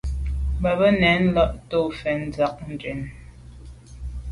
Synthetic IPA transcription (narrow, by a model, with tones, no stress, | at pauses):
bə˨bə˦nɛ˨˦n̩˦lɔ˦ʔto˦˨fɛ˨˦n̩˨d͡za˦k̚n̩˨d͡ʒɛ˨n